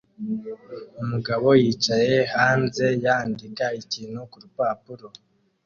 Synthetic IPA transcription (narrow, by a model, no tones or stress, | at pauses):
umuɡaβo̞jiːt͡ʃaje̞haːnze̞jaːndikaiciːnhukuɾupaːpuɾo̞